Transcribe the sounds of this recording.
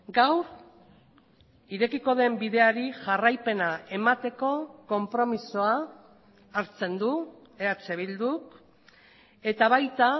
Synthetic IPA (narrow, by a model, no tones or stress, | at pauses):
ɡawɾ | iɾe̞kiko̞ðe̞mbiðe̞aɾiʝarajpe̞nae̞mat̪e̞ko̞ko̞mpɾo̞misoaː | ɾt͡se̞nd̪u | eat͡se̞βild̪uk | e̞t̪aβajt̪a